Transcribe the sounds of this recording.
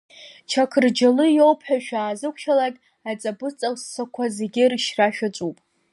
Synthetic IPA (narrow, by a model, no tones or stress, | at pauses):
t͡ʃʰakʰɨrd͡ʒalɨjo̞wpʰħaʃᶣaːzɨkʷʰʃalakʲʼ | at͡sʼabɨt͡sʼaχssakʷʰazeɡʲɪrʃraʃᶣat͡ʃʷʼupʼ